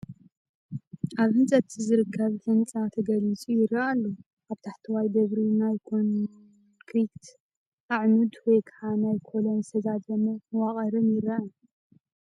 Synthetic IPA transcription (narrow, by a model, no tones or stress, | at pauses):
ʔaβhɨnzʼɐt̪ʰizɨɾɨkʰːɐβtʰɐnɨt͡sʼat̪ʰɐɡɐlit͡sʼujɪɾːɐʔalːu | ʔaβt̪ʰaħt̪ʰɨwajd̪ɐβɾinajkʰon | kʰɾikt̪ | ʔaʕnud̪wɔjkʰaʕanajkʰolonzst̪ʰɐzad̪ɐmɐmɨwaχʼɐɾɨnjɪɾɐa